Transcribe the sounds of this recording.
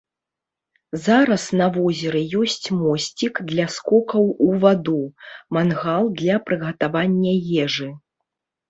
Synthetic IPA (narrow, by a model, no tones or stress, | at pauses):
zaɾɐsnɐvɔzʲɛɾɨjɔsʲt͡sʲmɔsʲt͡sʲikd̪lʲɐskɔkɐwuvad̪umanɣalˠd̪lʲɐpɾɨɣɐt̪avanʲːɐjɛʐɨ